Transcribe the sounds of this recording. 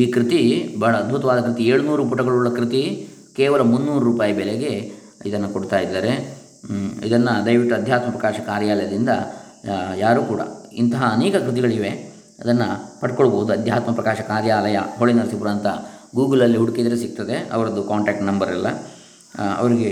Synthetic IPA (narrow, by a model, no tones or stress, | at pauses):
iːkɾit̪ibʱɐːɭɐːd̪̚bʱut̪ɐʋaːd̪ɐkɾit̪ieːɭunuːɾup̬ɐʈɐɡɐɭuɭɐkɾit̪i | kɛːʋɐlɐmunːuːɾuɾuːpaːjɐbɛleɡe̞ | id̪ɐnːɐkoɽt̪aːjid̪ːaːɾe̞ | ḭd̪ɐnːɐd̪ɐjʋiʈːuɐd̪ʱjaːt̪̚mɐpɾɐkaːʃɐkaːɾjaːlɐjɐd̪ind̪ɐ̰ | jaːɾuːkuːɽɐ̰int̪ɐɦɐːneːkɐkɾit̪iɡɐɭiʋe̞ | ɐd̪ɐnːɐpɐʈkoɭboːud̪uɐd̪ʱjaːt̪mɐpɾɐkaːʃɐkaːɾjaːlɐjɐ̰ɦoɭinɐɾɐsipuɾaːnt̪ɐɡuːɡɐlɐlːiɦuɽukid̪ɐɾesik̚t̪ɐd̪e̞ɐ̰ʋɐɾɐd̪ukaːɳʈeːk̚ʈnɐmbɐɾɛlːɐ̰ | ɐ̰ʋɐɾiɡe̞